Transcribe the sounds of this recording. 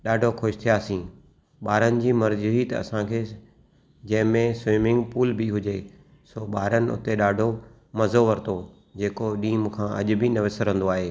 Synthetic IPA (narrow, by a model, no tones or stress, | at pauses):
ɗaːɖʱokʰoːʃt̪ʰijaːsĩː | ɓaːɾənɪ̆d͡ʑiːmɐɾzuɦit̪ɐɐ̰sãkʰeː | d͡ʑɐ̃ɦɪ̃mẽswɪːmɪ̃ŋɡpuːlbɪɦʊd͡ʑeː | soːɓaːɾənɪ̆ʊ̰t̪eɗaːɖʱo | mɐzoʋɐɾt̪oː | d͡ʑeːkoɗiːmkʰãːʔɐ̰ʄʊ̆bɪnɐʋɪsəɾə̃nd̪oaːɦeː